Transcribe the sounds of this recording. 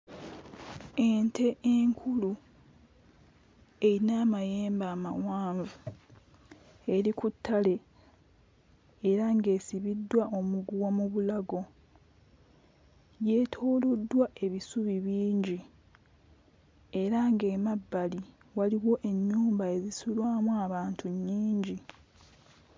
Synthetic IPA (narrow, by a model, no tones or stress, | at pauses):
entʰe̞ʔeŋkʰulu | einaːmajeːmbaːmawaːɱvu | e̞ɾikutʰːale̞ | ɾaŋɡe̞ːsiβidːwaʔo̞muɡuwamuβulaɡo̞ | je̞ːtʰo̞ːlodːwaʔe̞βisuβiβiːɲɟi | e̞ɾaŋɡe̞ːmabːali | waliwo̞ʔe̞ɲːuːmbae̞zisulwaːmuaβaːntʰuɲːiːɲɟi